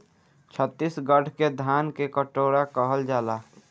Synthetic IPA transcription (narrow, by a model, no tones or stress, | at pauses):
t͡ʃʰət̪ːisɡəɖ̤ʱked̪ʱaːnkekəʈoːɾakəɦəld͡ʒaːlaː